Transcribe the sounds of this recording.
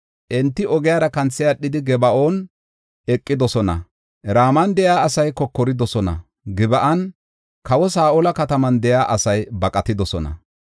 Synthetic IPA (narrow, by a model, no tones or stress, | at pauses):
ʔɛnt̪ːɪʔɔɡɛjaːɾɐkɐnt͡sːɪjaɗɪd̪ɪɡɛbɐʔo̞ːn | ɛkʼːɪd̪ɔsɔnɐ̰ | ɾaːmɐnd̪ɛjaːɐsɐjkɔkːɔɾɪd̪ɔsɔnɐ̰ | ɡɪbɐʔɐn | kɐwɔs̬aːʔolɐkɐt̪ɐmɐnd̪ɛjaːʔɐsɐjbɐkʼɐt̪ɪd̪ɔsɔnɐ̰